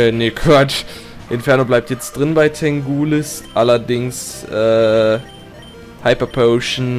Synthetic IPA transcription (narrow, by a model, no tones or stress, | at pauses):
ənekv̥at͡ʃ | ʔɪnfɛɐnoblaɪp̚tjɛt͡std̥ʁɪnbaɪtʰɛŋɡuːlɪsʔalɐdɪŋsʔɛː | haɪpɐpʰoʊʃn